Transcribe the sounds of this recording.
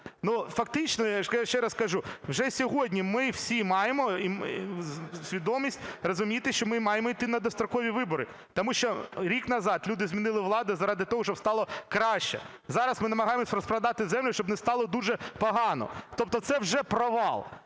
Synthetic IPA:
nufɐk̚t̪ɪt͡ʃnɔjaʃjaʃt͡ʃɛɾɐskɐʒuwʒɛsʲɔɦɔdʲnʲimɪwsʲimɑjemɔi | sʲʋʲid̪ɔmʲisʲtʲrɔzʊmʲit̪ɪʃt͡ʃɔmɪmɑjemɔit̪ɪnɐd̪ɔst̪ɾɔkɔʋʲiʋɪbɔɾɪ | t̪ɔmuʃt͡ʃɔɾʲikn̪ɐzɑt̪lʲud̪ɪzʲmʲinɪlˠɪʋlˠɑd̪ɐzɐɾɑd̪ɪt̪ɔɦɔʃt͡ʃɔbst̪ɑlˠɔkɾɑʃt͡ʃɛ̰ | zɑɾɐsmɪnɐmɐɦɑjemɔsʲɾɔspɾɐd̪ɑt̪ɪzɛmlʲʊʃt͡ʃɔbnɛst̪ɑlˠɔd̪uʒɛpɔɦɑnɔ̰t̪ɔp̚t̪ɔt̪sɛwʒɛpɾɔʋɑlˠ

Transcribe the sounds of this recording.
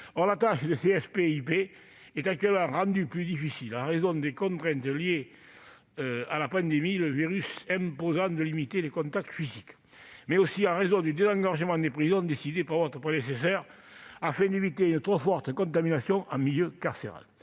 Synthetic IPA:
ɔʁlat̪aʃəd̪əseɛfpeipe | ɛt̪ak̚t̪ɥɛləmɑ̃ʁɑ̃nd̪yplyd̪ifisilɑ̃ʁezɔ̃d̪ekɔ̃nt̪χɛ̃nt̪əlie | øalapɑ̃nd̪emiləviʁysɛ̃mpozɑ̃d̪əlimit̪elekɔ̃nt̪ak̚t̪ə̥fizik | mɛosiɑ̃ʁezɔ̃d̪yd̪ezɑ̃ŋɡaʁʒəmɑ̃d̪epχizɔ̃d̪esid̪epaʁvɔt̪ʁəpχed̪es̬es̬œʁ | afɛ̃nd̪evit̪eynət̪χɔfɔʁt̪əkɔ̃nt̪aminasjɔ̃ʔɑ̰̃miljøkaʁseʁa̰l

